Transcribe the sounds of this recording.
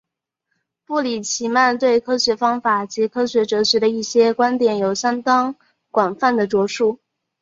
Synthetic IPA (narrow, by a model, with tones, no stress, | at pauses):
pu˥˩li˨˩t͡ɕʰi˧˥ma˥˧nt̪̬we˥˩ɪkʰɤ˥ɕɥɛ˧˥fɑ˥ŋfa˨˩t͡ɕi˧˥kʰɤ˥ɕɥɛ˧˥ʈ͡ʂɤ˧˥ɕɥɛ˧˥ɾə˧i˥˩ɕjɛ˥kwa˥nt̪jɛ˨˩njo˨˩ʊɕjɑ˥ŋt̪ɑ˥ŋ | kwa˨˩nfa˥˩nd̪ə˩ʈ͡ʂwɔ˧˥ʂu˥˩